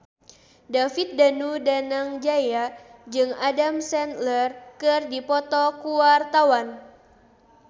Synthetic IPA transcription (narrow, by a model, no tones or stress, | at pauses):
dafit̪̚danudanaŋd͡ʒajad͡ʒɨŋadamsɛnt̪lɛrkɨrdipɔt̪ɔkuwart̪awan